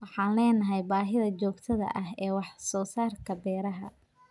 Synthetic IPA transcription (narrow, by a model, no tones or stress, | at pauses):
wɑħɑːnlɛːnɐɦɛjbaːɦɪðɐt͡ʃɔːɡt̪ʰɐðɐ̰ʔɐɦɛːwɑħsɔːsaːrkʰɐbɛːɾɐɦɐ